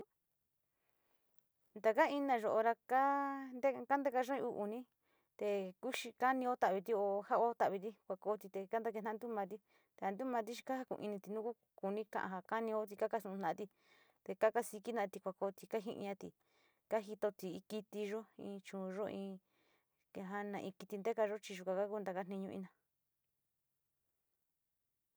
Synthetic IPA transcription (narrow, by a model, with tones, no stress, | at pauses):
nd̪a˧ka˦i˧nã˧ʒo˧ʔo˧ɾa˧ka˦nd̪e˦ka˦nd̪e˦ka˧ʒo˦ĩ˧u˧ʔu˨nĩ˦ | t̪e˧ku˦ʃi˧ka˦nĩ˧o˦t̪a˧˨βi˧t̪i˦o˧ha˦o˦t̪a˧˨βi˧t̪̬i˦kʷa˧ko˧˦t̪i˧t̪e˧ka˦nd̪a˧ke˧nã˧nd̪u˦mã˧t̪̬i˦ | t̪e˧a˧nd̪u˦mã˧t̪̬i˦ʃi̥˧ka˦a˧kṵ̃˧ḭ̃˧nĩ˧t̪i˨˧nũ˦ku˦ | ku˨nĩ˦kã̰˧ʔã̰˧ɦa˧ka˦nĩ˧o˦t̪̬i˧ka˦ka˧˦sũ˧ũ˧nã˧a˧t̪i˧ | t̪e˧ka˦ka˦si˧ki˦nã˧t̪i˧kʷa˨ko˧˦t̪i˧ka˦ɦḭ̃˧ʔɲã˧t̪i˧ | ka˦ɦi˧t̪o˧t̪i˨˧ki˧t̪i˧ʒo˦ḭ̃ː˧t͡ʃũ˨˧ʒo˦ʔĩː˧ | ke˧ɦa˦nã˧ʔĩ˧ki˧t̪i˧nd̪e˦ka˧ʒo˦t͡ʃi˧ʒu˧˨kʷã˨ka˦ku˧˦nd̪a˧ka˧˦nĩ˧ɲũ˧ḭ̃˧nã˧